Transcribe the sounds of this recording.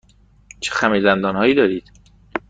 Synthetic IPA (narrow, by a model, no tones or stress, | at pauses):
t͡ʃʰexæmizænd̪ɒːnhɒːjiːd̪ɒːɾiːd̪̥